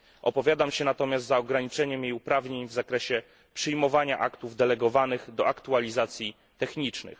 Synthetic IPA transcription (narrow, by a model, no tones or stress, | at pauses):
ʔɔ̰pɔvʲjad̪amɕɛnat̪ɔmʲast̪zaɔɡɾaɲit͡ʂɛɲɛmjejupɾavɲeɲvzakɾɛɕɛ | pʂɘjmɔvaɲaʔakt̪uvd̪ɛlɛɡɔvanɘɣd̪ɔakt̪ualʲizat̪sʲji | t̪ɛxɲit͡ʂnɘ̰x